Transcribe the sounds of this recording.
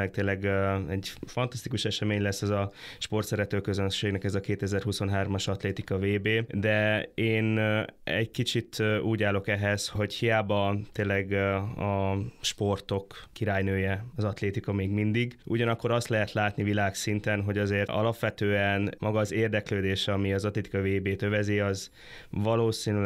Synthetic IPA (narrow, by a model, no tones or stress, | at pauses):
ɛk̚t̪eːlɛɡɛɟfɒnt̪ɒst̪ikuʃɛʃɛmeːɲlɛsːɛzɒʃpo̞rt̪sɛɾɛt̪øːkøzønʃeːɡnɛkɛzɒkeːt̪ɛzɛrɦuso̞nɦaːrmɒʃɒt̪leːt̪ikɒveːbeːd̪ɛeːnɛ̰ɟkit͡ʃit̪uːɟaːlo̞kɛɦɛzho̞ɟhijaːbɒt̪eːnlːɛɡɒʃpo̞rt̪o̞kːiɾaːjnøːjɛɒzɒt̪leːt̪ikɒmeːɡmind̪iɡʔṵɟɒnɒkːo̞ɾɒst̪lɛɦɛt̪laːt̪nivilaːksint̪ɛnɦo̞ɟɒzeːrɒ̰lɒpʋɛt̪øːɛnmɒɡɒːzeːrd̪ɛkløːd̪eːʃɛɒmiɒzɒt̪leːt̪i̥kɒveːbeːt̪ø̞vɛziɒz | vɒloːsiːnyl